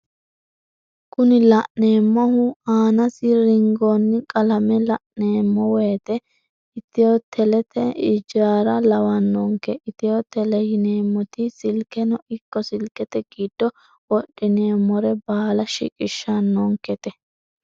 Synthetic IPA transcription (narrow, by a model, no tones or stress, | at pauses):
kʰʊnɪlɐʔneːmːɔhʊaːnɐsɪɾɪŋɡonːɪkʼɐlɐmɛlɐʔneːmːɔweːt̪ɛ | ɪt̪ːɪjot̪ʰɛlɛt̪ʰɛɪd͡ʒaːɾɐlɐwɐnːɔŋkɛʔɪt̪ɪjot̪ɛlɛjɪneːmːɔt̪ɪsɪlkɛnɔʔɪkːɔsɪlkɛt̪ɛɡiːd̪̥ːɔ | wɔɗːɪneːmːɔɾɛbaːlɐʃɪ̰kʼɪʃːɐnːɔŋkɛt̪ɛ